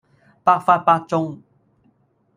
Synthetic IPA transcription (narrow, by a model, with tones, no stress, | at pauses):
pa˧˥fa˧pa˧t͡ʃʊ˧˥ŋ